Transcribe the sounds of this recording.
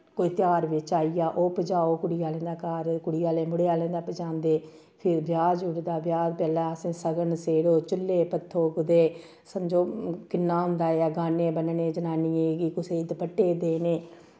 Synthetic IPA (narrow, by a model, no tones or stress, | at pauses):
koːiːt̪ɪjaːɾʋɪt͡ʃaːijaːʔoːpəd͡ʒaːoːkʊɽɪjaːlɛ̃ːd̪aːkaːɾkʊɽɪjaːleːmʊɽeaːlɛ̃ːnd̪aːpəd͡ʒãːnd̪eː | pʰɪɾbjaːd͡ʒʊɽd̪aːbjaːd͡ʒpɛːlɛːəsẽːsəɡənseːɽoːt͡ʃʊlːeːpət̪ʰːoːɡʊd̪eː | səmd͡ʒoːkɪnːaːɦʊ̃nd̪aːaːɡaːnẽːbənnẽːd͡ʒənaːniːeːɡiːkʊseːd̪pəʈːeːd̪eːneː